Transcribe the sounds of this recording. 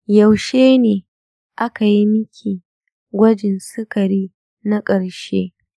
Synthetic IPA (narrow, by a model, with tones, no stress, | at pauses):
jɐ˨wʃeː˦neː˨ | ʔa˦ka˨ji˦mɪ˦kʲʰiː˨ | ɡʷɐ˦d͡ʒɪ˨nsɪ˦kɐ˨ɾiː˦ | na˦kʼɐ˨ɽʃḛː˦